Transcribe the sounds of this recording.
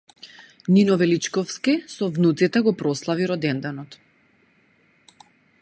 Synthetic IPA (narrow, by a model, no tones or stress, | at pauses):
ninɔvɛlit͡ʃkɔfskisɔvnut̪sit̪ɛɡɔpɾɔslˠaviɾɔd̪ɛnd̪ɛnɔt̪